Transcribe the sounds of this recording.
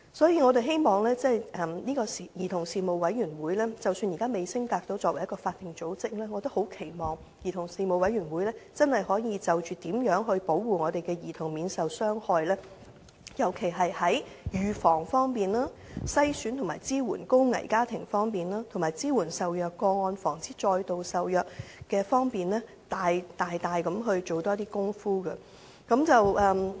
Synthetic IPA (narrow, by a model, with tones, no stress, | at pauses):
sɔː˨˥jiː˧ŋɔː˨˧ɾe˨jɦe˥jmɔː˨˩ŋlɛː˥t͡sɛː˥˩jʔɛ˨˩mniː˥kɔː˧si˨˩jiː˨˩t̪ʰʊ˨˩ŋsiː˨mo˨wɐ˨˥jɥyː˨˩nwuː˨˥jlɛː˥t͡sɐ˨wsyː˧njiː˨˩kaː˥me˨jsɪ˥ŋt̪aː˧k̚t̪o˨˥wt͡sɔː˧kwɐ˨˩jɐ˥kɔː˧faː˧t̪̚ːɪ˨ŋt͡so˨˥wt͡sɪ˥k̚lɛː˥ŋɔː˨˧t̪o˥ho˨˥wkʰe˨˩jmɔː˨ŋ | jiː˨˩t̪ʰʊ˨˩ŋsiː˨˧mo˨˧wɐ˨˥jɥyː˨˩nwu˨˥jlɛː˥t͡sɐ˥nhɐ˨˩jhɔː˨˥jiː˨˧t͡sɐ˨wt͡ʃyː˨t̪iː˨˥mjœː˨˥ŋɦɵ˧ɥpo˨˥wwuː˨ŋɔː˨˧t̪e˨jkɛː˧jiː˨˩t̪ʰʊ˨˩ŋmiː˨˧nsɐ˨wsœː˥ŋhɔː˧jlɛː˥ | jɐ˨˩wkʰe˨˩jɦɐ˨jhɐ˨˥jjyː˨fɔː˨˩ŋfɔː˥ŋpiː˨nlaː˥sɐ˥jsyː˨˥nt̪ʰʊ˨˩ŋmaː˨˩jt͡siː˥wuː˨˩nkʊ˥wŋɐ̰˨˩jkaː˥t̪ʰɪ˨˩ŋfɔː˥ŋpiː˨naː˥t̪ʰʊ˨˩maː˨jt͡siː˥wuː˨˩nsɐ˨wjœː˨˧kːɔː˧ŋɔː˧nfɔː˨˩ŋt͡siː˥t͡ʃɔː˧jt̪o˨wsɐ˨wjœː˨k̚kɛː˧fɔː˥ŋpiː˨nlɛː˥ | t̪aː˨jt̪aː˨jt̪aː˨jkɐ˨˥mɦɵ˧ɥt͡ʃo˨wt̪ɔː˥t̪iː˥kʊ˥ŋfuː˥ɡɐ˧ | kɐ˨˥mt͡sɐ˨wʔɐː˨˧m